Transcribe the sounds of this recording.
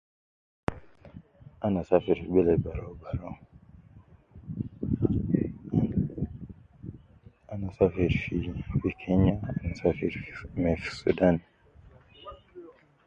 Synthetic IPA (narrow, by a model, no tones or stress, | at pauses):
anasafiɾiɓɛlɛbaɾɔbaɾɔ | anasafiɾfifikʰɛɲaanasafiɾfmɛfi̥sṵdan